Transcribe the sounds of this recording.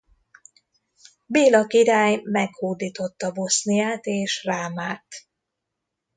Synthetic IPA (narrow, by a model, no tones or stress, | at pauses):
beːlɒkiɾaːjmɛkhoːd̪iːt̪o̞t̪ːɒbo̞snijaːt̪eːʃraːmaːt̪